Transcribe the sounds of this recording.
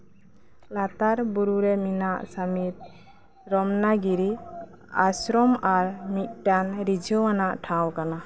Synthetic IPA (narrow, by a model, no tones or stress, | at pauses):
lat̪aɾbuɾuɾɛminaʔsamit̪̚ | ɾɔmnaɡiɾi | asɾɔmaɾmit̪̚ʈanɾid͡ʒʱɔanaʔʈʰãwkana